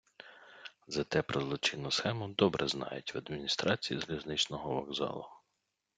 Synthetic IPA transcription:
zɐt̪ɛpɾɔzlˠɔt͡ʃɪnːʊsxɛmʊd̪ɔbɾʔɛznɑ̰jʊtʲʋɐd̪mʲinʲist̪ɾɑt͡sʲijizlʲiznɪt͡ʃnɔɦɔʋɐɡzɑ̰lˠʊ

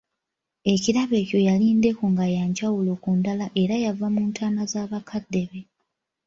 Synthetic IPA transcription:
e̞ciɾaβe̞ːco̞jaliːnde̞kuŋɡajaɲɟawulo̞ːkundalaʔe̞ɾajavamuːntʰaːnazaːβakʰadːe̞βe̞

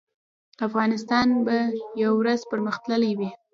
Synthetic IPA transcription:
afɣɑnɪst̪ɑnbajawɾazpəɾməxt̪ləlajwi

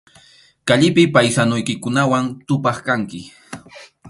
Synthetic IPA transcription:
kaʎɪpɪpajsanʊjkɪkʊnawant̪ʊpɑχkaŋkɪ

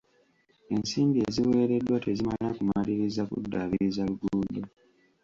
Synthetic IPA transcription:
e̞nsiːmbie̞ziwe̞ːɾe̞dːwatezimalilakumaliɾizakṵdːaβiɾizaluɡuudo

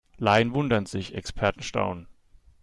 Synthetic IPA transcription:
laɪənvʊndɐnz̥ɪçɛ̰kspʰɛɐtn̩ʃta̰ʊn

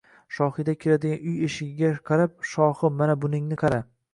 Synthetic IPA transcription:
ʃɒhɨd̪akʲʰeɾad̪ɪɡʲanʊjeʃɪɡʲɪɡʲaqʰɑɾap̚ʃɒhɨmanabʊnɪŋnɪqʰɑɾa

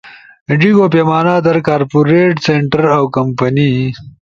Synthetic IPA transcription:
ɖiɡoːpeːmaːnaːd̪ɐɾkaːɾpuɾeːʈseɳʈɐɾawkɐmpɐni

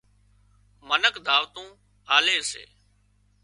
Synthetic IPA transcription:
mənəkd̪ʱaːʋt̪ũː | aːleːsḛː

